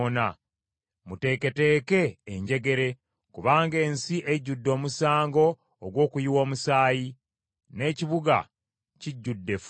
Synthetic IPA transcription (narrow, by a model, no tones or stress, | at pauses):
na | mute̞ːke̞te̞ːke̞ːɲɟe̞ɡe̞ɾe̞ | kuβaːŋɡe̞ːnsiʔeɟːudːo̞ːmusaːŋɡo̞ː | ɡwo̞ːkujiwo̞ːmusaːji | ne̞ːciβuɡa̰ | ciɟːudːe̞f